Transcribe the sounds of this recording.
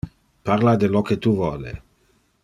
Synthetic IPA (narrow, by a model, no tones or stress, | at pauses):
paɾlad̪elɔket̪uvɔlḛ